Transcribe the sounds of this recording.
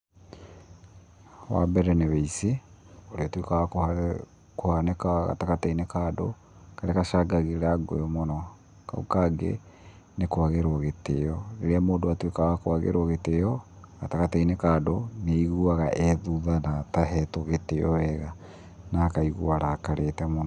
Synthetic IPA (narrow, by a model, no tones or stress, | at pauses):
wa̰bɛɾɛneweise | oɾeatwekawak | kohanekaɣa̰takatainekado̰ | kaɾeakaʃaɡaɣeɾaɡo̰jɔmonɔ | ka̰ukaɡḛ | nekwaɣeɾwɔɣetejɔeɾeamoːndoatwekawakwaɣḛɾwɔɣetejɔɣatakatainekaːdoneiɣuaɣaʔɛðuðanataɦɛtoɣeteɔɛɣa | nakaiɣuaɾaːkaɾʔetɛmonɔ